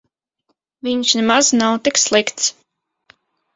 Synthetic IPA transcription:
viɲsnɛmaznawt̪ikslˠikt̪s

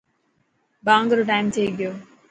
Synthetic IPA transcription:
bãːŋɡɾoʈaːɪmt̪ʰeiɡɪjoː

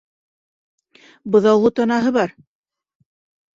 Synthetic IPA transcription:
bɤ̆ðɑwlˠɤt̪ɑnɑɦɤβɑɾ

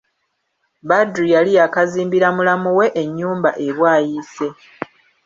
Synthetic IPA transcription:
badɾujalijakaziːmbiɾamulamuwe̞ʔeɲːuːmbaʔe̞βwaːjise̞

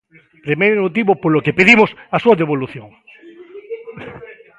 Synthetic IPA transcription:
pɾimejɾmot̪iβopolokepeðimʊsasuɐðeβoluθjoŋ

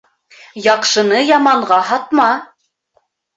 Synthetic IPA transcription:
jɑqʃɤ̆nɤjɑmɑɴʁɑɦɑt̪̚mɑ

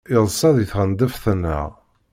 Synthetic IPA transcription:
ɪðˤsˤːɑðˤiθʁənd̪əfθənːə̰ʁ

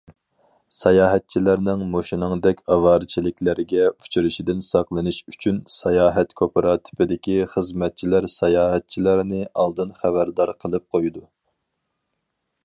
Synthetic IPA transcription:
sɑjɑːɦɛt̪̚t͡ʃʰilæɾnɪŋmoʃinɨŋd̪ɛkʲɑvɑːɾɨt͡ʃʰilɪkʲlɪɾɪɡʲɛu̥t͡ʃʰyɾɪʃid̪ɪnsɑqlˠɨnɨʃyt͡ʃʰynsɑjɑːɦɛt̪kʰopɾɑt̪ʰɪ̥pɪd̪ɪkʲiχəzmɛt̪̚t͡ʃʰilæɾsɛjɑːɦɛt̪̚t͡ʃʰilæɾnɪʔɑlˠd̪ɨnχæβæɾd̪ɑɾqʰəlˠɨp̚qʰojd̪u

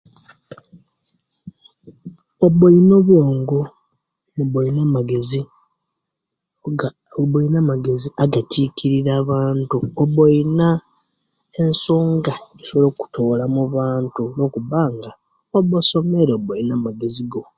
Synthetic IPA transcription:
oβoino̞βjoːŋɡo | muβoinamaɡe̞zi | boinamaɡeziaɡatʰikiɾiɾaːβaːntuoβojina | ensoːŋɡaisoβloku̥tolamuβaːntulo̞kuβaːŋɡa | oβoso̞meɾeobojinaːmaɡe̞ziɡo̞

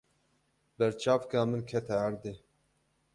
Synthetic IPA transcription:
bɛɾt͡ʃaːvkɑːmɨnkʰɛt̪ʰɛæɾd̪eː

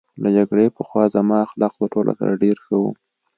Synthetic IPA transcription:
lad͡ʒaɡɽepəxwɑzamɑaxlɑqlaʈolʔa̰sa̰ɾaɖeɾxawṵ

